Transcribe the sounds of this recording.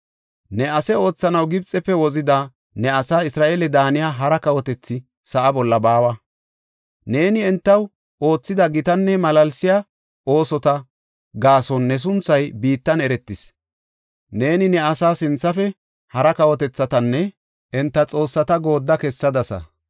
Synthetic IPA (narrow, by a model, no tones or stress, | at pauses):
nɛɐsɛo̞ːt͡sːɐnɐwɡɪbt͡sʼːɛpːɛwɔzɪd̪ɐ | nɛɐsaːɪsɾaːʔelɛd̪aːnɪjaːɦɐɾɐkɐwɔt̪ɛt͡sːɪ | sɐʔɐbɔlːɐbaːwɐ | ne̞ːnɪɛnt̪ːɐw | o̞ːt͡sːɪd̪ɐɡɪt̪ɐnːɛmɐlɐlsɪja | ʔo̞ːsɔt̪ɐ | ɡaːsɔnːɛs̬ʊnt͡sːɐjbiːt̪ːɐnɛɾɛt̪ːɪs | ne̞ːnɪnɛɐsaːsɪnt͡sːɐfɛ | hɐɾɐkɐwɔt̪ɛt͡sːɐt̪ɐnːɛ | ʔɛnt̪ːɐt͡sʼo̞ːsːɐt̪ɐɡo̞ːd̪ːɐkɛsːɐd̪ɐsɐ̰